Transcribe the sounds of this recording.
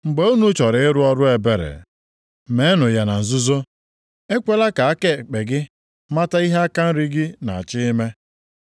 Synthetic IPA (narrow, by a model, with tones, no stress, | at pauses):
ŋ͡m̩˨ɡ͡be˨˦u˦nu˦t͡ʃɔ˨ɾɪ˨ɪ˦ɾʊ˦ɔ˦ɾʊ˦e˨be˨ɾḛ˨ | me˨˦nʊ˨ja˨na˨n̩˨zʊ˦zo˦ | e˦kʷe˦la˦ka˨a˦ke˦˨k͡pe˨ɡɪ˦ | ma˦ta˦i˦ɦe˦a˦ka˦n̩˦ɾi˦ɡɪ˦na˨a˨t͡ʃɪ˦me˦